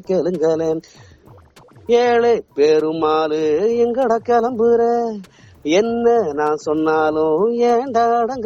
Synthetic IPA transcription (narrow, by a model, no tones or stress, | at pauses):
keːɭɯŋɡɐleːn | eːlepeːɾɯmaːlɯɛŋɡɐɽɐkːɐlɐmpɯɾɐ | ɛnːɐnaːnsɔnːaːlɯ̃eːnɖ̪aɽɐŋɡ